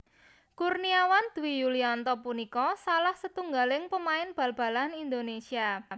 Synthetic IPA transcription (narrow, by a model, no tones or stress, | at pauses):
kurniawand̪̥uwijuliɔnt̪ɔpunikɔsalahsət̪uŋɡalɪŋpəmaɪnb̥ä̤lb̥a̤lanind̪onesia